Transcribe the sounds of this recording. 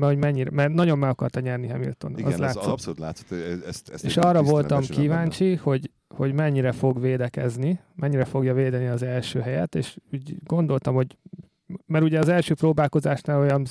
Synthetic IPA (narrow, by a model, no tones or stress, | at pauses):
mɛho̞ɟmɛɲːiɾɛmɛrnɒɟo̞mːɛɡɒkɒrt̪ɒɲɛrniɦɛmḭlt̪o̞̰nɒ̰zlaːssuːt̪la̰ːt̪sot̪ɛsḛʃɒrːɒvo̞lt̪ɒmkivaːɲt͡ʃiho̞ɟ | ho̞ɟmɛɲːiɾɛfo̞ɡʋeːd̪ɛkɛzni | mɛɲːiɾɛfo̞ɡjɒveːd̪ɛniɒzɛlʃø̰ːɦɛjɛt̪ḛːʃuːɟɡo̞nd̪o̞lt̪ɒmho̞ɟ | mɛɾuɟɛɒzɛlʃøːproːbaːlko̞zaːʃnaːlo̞jɒn